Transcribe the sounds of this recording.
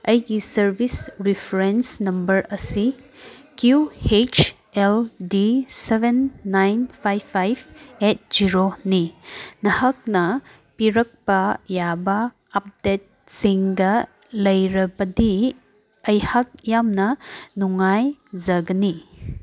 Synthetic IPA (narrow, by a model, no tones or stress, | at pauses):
ɐjɡisɐɾbʱisɾipʰɾensnɐmbɐɾɐsikjuet͡ʃ | eldisebenːajnpʰajpʰːajbʰet̚ziɾoninɐhak̚nɐ | piɾɐk̚pɐjabɐː | p̚det̚siŋɡɐ | lɐjɾɐbɐdi | ɐjhak̚jamnɐnuŋajzɐɡɐni